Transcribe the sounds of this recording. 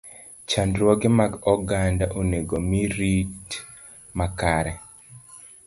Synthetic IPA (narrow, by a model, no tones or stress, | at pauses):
t͡ʃandɾwɔɡemaɡɔɡandaʔoneɡomiɾit | makaɾɛ